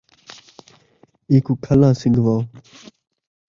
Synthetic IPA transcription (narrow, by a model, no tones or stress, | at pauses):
iːkuːkʰəlãːsɪŋɡʋãː